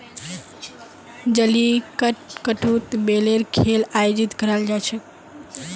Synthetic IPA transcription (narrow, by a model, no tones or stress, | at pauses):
d͡ʒəlikəʈkəʈut̪beleɾkʰelajod͡ʒit̪kəɾald͡ʒat͡ʃʰe